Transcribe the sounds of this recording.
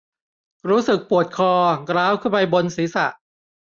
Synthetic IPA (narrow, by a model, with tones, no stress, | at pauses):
ɾuː˦˥sɯ˨˩k̚pu˨˩ət̪̚kʰɔː˧kɾaː˦˥˩wkʰɯː˥˩pa˧jbo˧nsiː˩˦sa̰˨˩ʔ